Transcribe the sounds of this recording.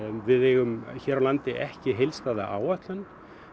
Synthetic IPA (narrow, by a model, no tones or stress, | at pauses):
vɪðɛɣʏmçɛːɾawlant̪ɪʔɛhcɪɦejlst̪aːðaʔaːwaht̪lan